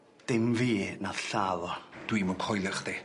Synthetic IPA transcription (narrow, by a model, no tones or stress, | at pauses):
d̥ɪmviːnaðɬaːðɔd̥wiːmɔnkʰɔjlˠəχd̥e